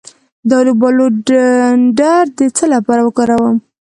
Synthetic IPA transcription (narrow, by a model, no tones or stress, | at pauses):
d̪ɑlobɑlo | ɖaɾd̪ət͡səlapɑɾawəkɑɾawəm